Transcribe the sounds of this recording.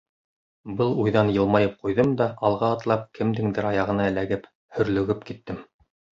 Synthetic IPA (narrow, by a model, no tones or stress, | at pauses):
bɤlˠujðɑnjɤ̆lˠmɑjɤp̚qujðɤmd̪ɑʔɑlˠʁɑːt̪lˠɑp̚kʰɘ̆md̪ɘŋd̪ɘɾɑjɑʁɤ̆nɑælæɡɘp | hɵ̆ɾlɵ̆ɡɘpkit̪ːɘm